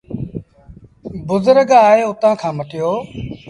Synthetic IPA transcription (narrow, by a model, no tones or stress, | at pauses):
bʊzʊɾəɡaːɦeːʊt̪ãːkʰãːməʈɪjoː